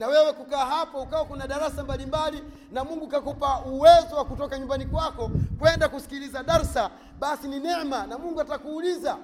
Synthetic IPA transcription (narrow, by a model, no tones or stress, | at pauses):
nawɛwɛkukaːɦapaukawakunaɗaɾasambalimbali | namuŋɡukakɔpauwɛzɔwakutɔkaɲumbanikwakɔkwɛndakusi̥kilizaɗaɾsa | ɓasininɛmanamuŋɡuatakuːliza